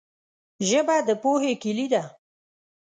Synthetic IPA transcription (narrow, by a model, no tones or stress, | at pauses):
ʒəbad̪əpohekilid̪a